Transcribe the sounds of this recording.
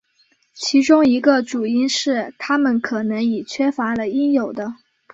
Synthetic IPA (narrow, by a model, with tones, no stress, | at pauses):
t͡ɕʰi˧˥ʈ͡ʂʊ˥ŋi˧˥ɡə˧ʈ͡ʂu˨˩i˥nʂɻ̩˥˩t̪ʰa˥mə˨nkʰɤ˨˩nɤ˧˥ŋi˨˩t͡ɕʰɥɛ˥fa˧˥lə˧i˥ŋjo˨˩ʊd̪ə˦